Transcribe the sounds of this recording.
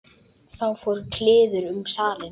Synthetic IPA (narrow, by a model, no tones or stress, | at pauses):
θawfɔːɾkʰlɪːðʏɾʏmsaːlɪn